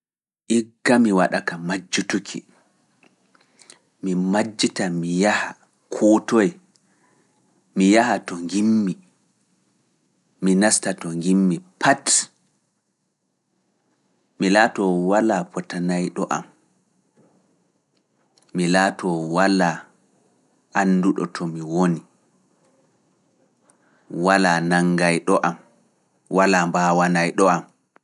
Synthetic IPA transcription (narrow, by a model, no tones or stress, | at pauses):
ʔiɡːamiwaɗakamad͡ʒːutukʰḭ | mimad͡ʒːitamijaha | kʰɔtɔjɛ | mijahatɔŋɡimːi | minastatɔŋɡimːipʰat | milaːtɔwalapʰɔtanajɗɔʔa̰m | milaːtʰɔwala | ʔanːduɗɔ̰tʰɔmiwoni | walanaŋɡajɗɔʔam | walaːmbaːwanajɗɔʔam